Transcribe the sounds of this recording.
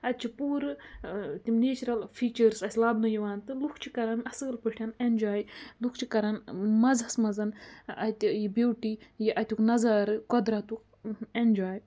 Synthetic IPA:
ɐt̪̚t͡ʃʰipuːɾɨt̪ʲimneːt͡ʃɾɐlfiːt͡ʃɐɾsɐsʲlaːbnɐjiʋaːnt̪ɨlukʰt͡ʃʰikɐɾɐnɐsɨɣɐlpɨʈʰʲɐnend͡ʒaːjlukʰt͡ʃʰikɐɾɐnmɐzɐsmɐzɐnɐ̰t̪ʲijibeːwʈijiʔɐt̪ʲuknɐzaːɾɨkɔd̪ɾat̪uk | end͡ʒaːj

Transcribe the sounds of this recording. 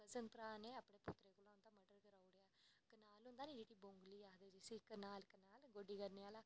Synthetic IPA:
əzənt̪ɾaːneːəpːɳeːpʊt̪ːɾeːkʊlãːʊnd̪ãːməɖəɾkəɾaːʊɽeːaːkːnaːlʊ̃nd̪aːnĩːd͡ʒiʈiːbõːŋɡliːaːd̪ed͡ʒɪsiːkːənaːlkːənaːlɡoɖiːkəɾneaːlaː

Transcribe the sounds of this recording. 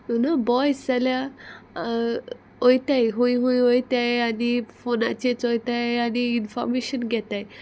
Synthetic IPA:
onabɔjsd͡zalja | ojt̪ajɦojɦojojt̪ajanifona̰t͡ɕet͡sojt̪ajañiinfɔ̰ɾmeɕənɡʱɛt̪aj

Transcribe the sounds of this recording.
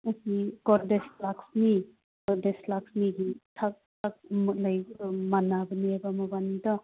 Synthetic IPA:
asikɔɾdeslaksni | kɔdeslak̚sniɡitʰak̚tʰak̚mut̚lajɔmanabəniabamɔbanidɔ

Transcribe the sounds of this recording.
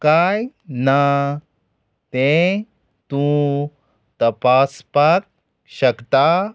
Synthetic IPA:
kajna | t̪ẽ | t̪ũ | t̪ɐpaspak̚ | ɕəkt̪a

